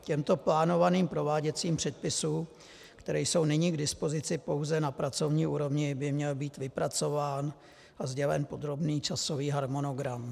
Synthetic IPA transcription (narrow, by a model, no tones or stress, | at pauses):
cɛmt̪o̞plaːno̞vaniːmpɾo̞vaːɟɛt͡siːmpr̝̥ɛt̪̚pɪsuː | kt̪ɛɾɛjso̞wnɪɲɪɡdɪspo̞zɪt͡sɪpo̞wzɛnapɾat͡so̞vɲiːʔuːɾo̞vɲɪbɪmɲɛlbiːt̪vɪpɾat͡so̞vaːn | ʔazɟɛvɛ̰npo̞d̪ɾo̞bniːt͡ʃaso̞viːɦaɾmo̞no̞ɡɾam